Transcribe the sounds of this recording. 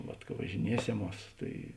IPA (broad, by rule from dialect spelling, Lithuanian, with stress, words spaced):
ˈʋɐt kɐ ʋɐʒʲɪˈnʲiɛsʲɛˌmuɔs tɐɪ